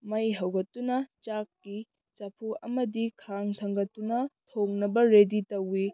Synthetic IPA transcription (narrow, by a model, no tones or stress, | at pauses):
mɐjɦɐwɡɐtːunɐt͡ʃakːi | t͡ʃapʰuʔɐmɐdikʰaŋtʰɐŋɡɐtːunɐtʰoŋnɐbɐɾeditɐwːi